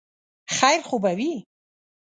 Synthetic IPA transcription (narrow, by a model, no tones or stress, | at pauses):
χajɾχubawi